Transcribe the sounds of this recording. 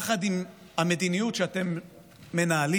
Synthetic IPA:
χadim | hame̞d̪inijutʃeate̞mː | e̞naːli

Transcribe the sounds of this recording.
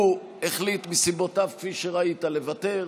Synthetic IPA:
u | eχlitmisibo̞tavkfiʃeʁaitalevate̞

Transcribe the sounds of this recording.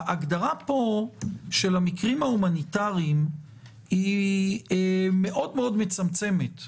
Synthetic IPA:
ʔaɡdaʁapo̞ʃe̞lamikʁimhaumanitaʁiim | i | me̞ʔo̞dme̞o̞dme̞t͡samt͡se̞me̞t̪

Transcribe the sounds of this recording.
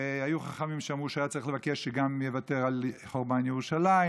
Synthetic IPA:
eajuχaχamimʃeamʁuʃajat͡saʁiχlevakeʃːeɡamjevate̞ʁalχoʁbanjeʁuʃalai

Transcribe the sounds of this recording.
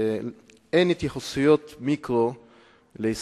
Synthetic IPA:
enit̪jeχosijot̪mikʁo | leis

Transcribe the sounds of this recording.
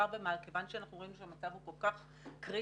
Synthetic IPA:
aʁbemalke̞vanʃeanaχnuʁinuʃeamat͡savhuko̞lkaχ | kʁi

